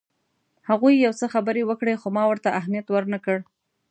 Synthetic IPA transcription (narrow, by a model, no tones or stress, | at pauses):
haɣujːawt͡səxabəɾewəkɽexomɑwəɾt̪aʔaɦmijat̪wəɾnakəɽ